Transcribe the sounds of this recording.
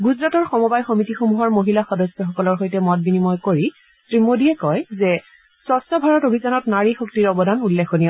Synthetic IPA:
ɡuzɹatɔɹxɔmɔbajxomitixomuɦɔɹmoɦilaxɔdɔsjɔxɔkɔlɔɹxojtɛmɔt̚binimɔjkoɹi | tɹimodiɛkɔjzɛ | sɔsɔbʱaɹɔtobʱizanɔtnaɹixoktiɹɔbɔdanulːexʰonija

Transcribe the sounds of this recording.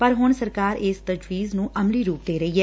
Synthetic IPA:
pəɾɦʊɳsəɾkaːɾɪːst̪əd͡ʒwiːznũːʔəmliːɾuːk̚d̪eːɾəiːɦɛː

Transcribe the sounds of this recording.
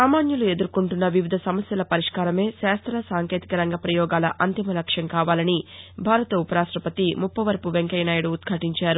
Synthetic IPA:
saːmaːnjulue̞d̪uɾkuɳʈunːɐʋiʋid̪ʱɐsɐmɐsjɐlɐpɐɾiʂkaːɾɐme̞ːʃaːst̪ɾɐsaːŋke̞ːt̪ikɐɾɐŋɡɐpɾɐjɔːɡaːlɐʔɐnt̪imɐlɐkʂjɐŋkaːʋaːlɐnibʱaːɾɐt̪ɐupɐɾaːʂʈɾɐpɐt̪imupːɐʋɐɾpuʋeŋkɐjnaːjɐɽuːt̪̚kʰaːʈiɲt͡ʃaːɾu

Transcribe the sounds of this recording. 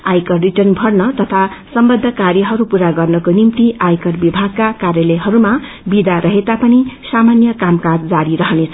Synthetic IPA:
ajkʌrriʈʌrnbʱʌɽnʌt̪ʌt̪ʰasʌmbʌd̪ʱːʌkaɾjʌɦʌɾupuɾaɡʌrnʌkonimt̪iʔajkʌrbibʱaɡ̚kakaɾjʌleɦʌɾuma | bid̪aɾʌɦet̪apʌnisamanjʌkamkad͡zd͡zaɾiɾʌɦʌnet͡sʰʌ

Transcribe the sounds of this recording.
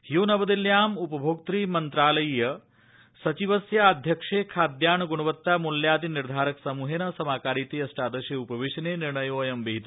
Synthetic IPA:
hjuːnɐbɐd̪iljaːmupɐbʱoːk̚t̪ɾiːmɐnt̪ɾaːlɐjjɐ | sɐt͡ʃiʋɐsjɐːd̪ʱjɐkʂeːkʰaːd̪jaːɳɡuɳ̃ɐʋɐt̪ːaːmuljaːd̪iniɾd̪ʱaːɾɐksɐmuːɦeːnɐsɐmaːkaːɾiːt̪iɐsʈaːd̪ɐʃjeupɐʋiʃɐneːniɾɳɐjoːjɐmbiɦit̪u

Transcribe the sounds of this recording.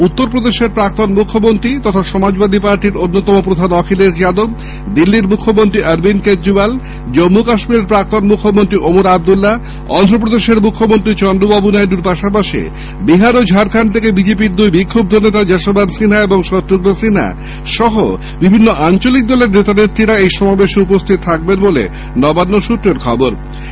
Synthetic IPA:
ut̪ːoɾpɾod̪eʃeɾpɾak̚t̪onmukʰːomont̪ɾit̪ɔt̪ʰaʃɔmad͡ʑbad̪ʱipaɾʈiɾonːot̪ɔmopɾod̪ʱanɔkʰileɾt͡ɕad̪ob̚ | d̪ilːiɾmukʰːomont̪ɾiʔɐɾbinkedɾibal | d͡ʑɔmːokaʃmiɾeɾpɾak̚t̪onmukʰːomont̪ɾiʔomuɾab̚d̪ulːa | ɔ̰nd̪ʱɾopɾod̪eʃeɾmukʰːomont̪ɾit͡ɕɔnɖubabunajɖuɾpaʃapaʃḭ | biɦaɾod͡ʑʱaɾkʰant̪ʰekebid͡ʑep̬iɾd̪ujbikʰːob̚d̪ʱonːet̪ad͡ʑɛʃobansinaeboŋʃɔt̪ːɾoɡɾosina̰ | ʃɔɦo̰ | bibʱinːoʔant͡ɕolik̚d̪ɔleɾnet̪anet̪ːɾiɾaejʃɔmabeʃupost̪ʰit̪̚t̪ʰak̚benbolḛ | nɔbanːoʃut̪ːɾeɾkʰɔboɾ

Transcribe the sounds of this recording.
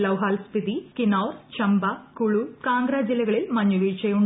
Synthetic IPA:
lɐwɦaːlspid̪ikinoːrt͡ɕɐmbɐkuɭukaːŋɡɾɐd͡ʑilːɐɣɐɭilmɐɲːuʋiːt͡ɕejuɳ

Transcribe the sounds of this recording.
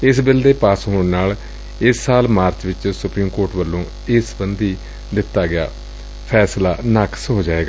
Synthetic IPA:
ɪsbɪld̪eːpaːsɦoːɳnaːl | ɪsːaːlmaːɾt͡ʃʋɪt͡ʃsʊpɾiːmkoːɾʈʋəlːõː | ɪsbənd̪iː | d̪ɪt̪ːaːɡɪa̰ː | pʰɛːsla̰ːnəksɦoːd͡ʒaːeːɡaː

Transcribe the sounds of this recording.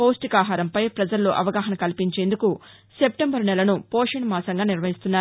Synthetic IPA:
poːsʈikaːɦaːɾɐmpɐjpɾɐd͡ʒɐlːo̰ːʔɐʋɐɡaːɦɐnɐkɐlipiɲt͡ʃe̞ːnd̪uku | sep̚ʈembɐɾnɛlɐnupoːʂɐnmaːsɐŋɡaːniɾʋɐɦist̪unːaːɾ

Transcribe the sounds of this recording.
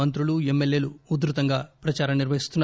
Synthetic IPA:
ɐnt̪ɾuluemːe̞lje̞ːluːd̪ɾut̪ɐŋɡaːpɾɐt͡ʃaːɾɐmniɾʋɐɦist̪unː

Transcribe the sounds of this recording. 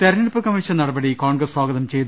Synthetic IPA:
t̪ɐɾnɪɽpːɯkɐmɪʂɐnnɐɽɐbɐɽikaːɳɡɾɐsʋaːɣɐðɐmt͡ʃɛjðɯ

